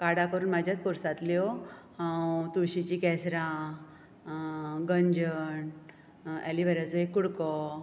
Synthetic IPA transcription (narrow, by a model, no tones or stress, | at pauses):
kaɽakəɾuːnmad͡ʑjat̪pɔɾsat̪leohãwwt̪uɽɕit͡ɕikɛsɾã | ɡəɲd͡ʑəɳ | ɛ̰liʋəɾat͡soɦekuɽkɔ